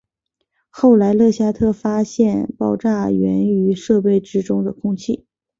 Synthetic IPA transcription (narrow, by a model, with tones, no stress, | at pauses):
xo˥˩ʊla˧˥ɪlɤ˥˩ɕja˥t̪ʰɤ˥˩fa˥ɕjɛ˥˧npɑ˥˧ʊʈ͡ʂa˥˩ɥɛ̰˧˥ny˧˥ʂɤ˥˧pe˥˩ɪʈ͡ʂɻ̩˥ʈ͡ʂʊ˥ŋd̪ə˨kʰʊ˥ŋt͡ɕʰi˥˩